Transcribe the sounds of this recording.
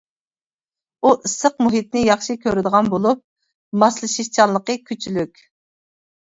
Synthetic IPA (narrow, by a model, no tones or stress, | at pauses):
uʔɨsəqmuɦit̪nɪjɑχʃikʲʰøɾɪd̪əʁɑnbolˠup̚ | mɑslˠɨʃiʃt͡ʃʰɑnlˠəqəkʲʰyt͡ʃʰylykʲ